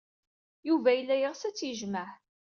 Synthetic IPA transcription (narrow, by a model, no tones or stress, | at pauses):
juvæjəlːæjəʁsæt͡sːjəʒmæħ